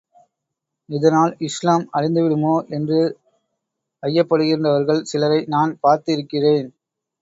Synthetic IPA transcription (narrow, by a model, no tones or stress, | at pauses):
ɪðɐnaːlɪslaːmɐɻɪnd̪ɯʋɪɽɯmoːʔɛndrɯ | ɐjːɐpːɐɽɯɣɪɾndrɐʋɐɾɣɐɭsɪlɐɾɐɪnaːnpaːɾt̪ɪɾɯkːɪreːn